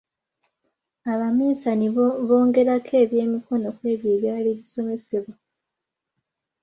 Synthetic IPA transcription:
aβamiːsaniβo̞ːŋɡe̞ɾakʰe̞ːβje̞ːmiko̞no̞kwe̞ːβjeːβjaːliβiso̞me̞se̞βwa

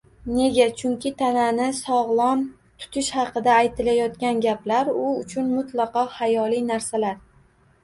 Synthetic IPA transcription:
ne̞ɡʲat͡ʃʰʊŋkʲʰɪt̪ʰananɪsɒʁlˠɒm | t̪ʰʊ̥t̪ʰɪʃhɑqɨd̪aːjt̪ʰɪlajɒt̪kʲanɡʲaplaɾʊʊt͡ʃʰʊnmʊt̪lˠɑqɒhajɒlijnaɾsalaɾ

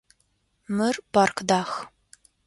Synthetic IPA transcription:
mɨrbarkʰdaːx

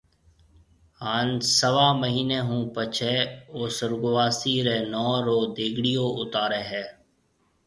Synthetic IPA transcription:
haːnsəʋaːməɦiːneːɦũːpət͡ʃʰeːoːsəɾɡʊʋaːsiːɾeːnɔːɾoːd̪eːɡɽɪjoːʊt̪aːɾeːɦɛː

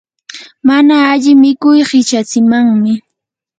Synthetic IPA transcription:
manaːʎɪmɪkʊjɢɪt͡ʃat͡sɪmaŋmɪ

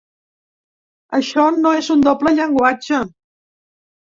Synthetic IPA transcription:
əʃɔnoezund̪opləʎəŋɡwad͡ʒə

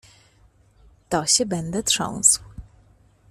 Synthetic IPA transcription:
t̪ɔɕɛbɛnd̪ɛt̪ʂɔ̰̃w̃sw

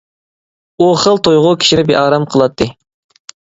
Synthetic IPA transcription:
uχəlˠt̪ʰojʁʊkʲi̥ʃinɪbeʔɑːɾɑmqʰəlˠɑt̪ʰːɨ

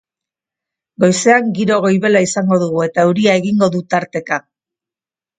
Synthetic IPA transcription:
ɡo̞jse̞aŋɡiɾo̞ɣ̞o̞jβe̞laisaŋɡo̞ðuɣ̞ue̞t̪auɾiae̞ɣiŋɡo̞ðut̪aɾt̪e̞ka

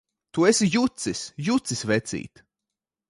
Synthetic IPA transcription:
t̪uesijut̪sisjut̪sisvɛt̪sḭːt̪

